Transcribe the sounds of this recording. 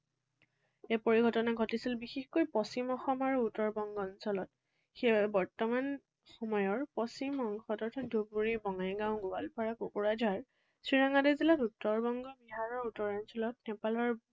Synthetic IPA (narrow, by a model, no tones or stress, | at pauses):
epoɹiɡʱɔtɔnaɡʱɔtisilbixexkojpɔsimɔxɔmaɹuːtɔɹbɔŋɡɔnsɔlɔt | xejbɔɹtɔman | xɔmɔjɔɹpɔsimɔŋxɔtɔɹtʰat̚dupuɹibɔŋajɡãʊ̃ɡualpʰaɹakokuɹad͡ʒaɹ | sɹiɹaŋadezilatutːɔɹbɔŋɡɔbiɦaɹɔɹutɔɹɔnsɔlɔt̚nɛpalɔɹ